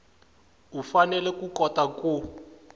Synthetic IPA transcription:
ufanɛlɛkukɔtaku

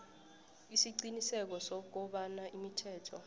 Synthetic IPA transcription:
isiǀinisɛk̬ɔsɔk̬ɔɓanaʔimitʰɛːtʰɔ

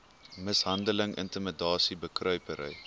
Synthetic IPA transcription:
məsɦɐndələŋʔə̰ntəmədɑːsibəkrœɥpəɾə̰j

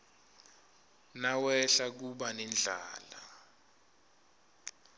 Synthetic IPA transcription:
nawɛɬak̬uɓanɛnd͡ɮʱa̰ːla

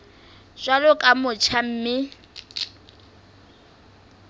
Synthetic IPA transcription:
ʃwalʊkʼamʊt͡ʃʰam̩ːmɪ

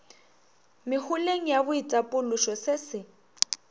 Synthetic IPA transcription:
mɪhʊleŋ̩jabʊitʼapʼʊlʊʃɔsɪsɪ

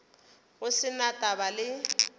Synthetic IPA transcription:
ɣʊsɪnatʼabalɪ

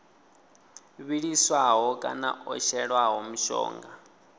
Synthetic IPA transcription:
βiɺiswaɦɔkʼanaʔɔ̰ʃɛɺwaɦɔmuʃɔ̰ːŋɡa

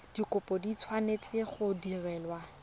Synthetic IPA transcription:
d̥ikʼʊpʼɔdit͡sʰwanet͡sʼɪχʊdirɛːlwa

